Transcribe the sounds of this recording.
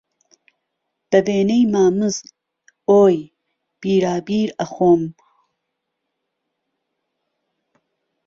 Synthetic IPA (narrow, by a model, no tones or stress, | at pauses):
b̥ɐbeːnejmaːmɨz | oːj | b̥iːɾaːbiːɾɐxoːm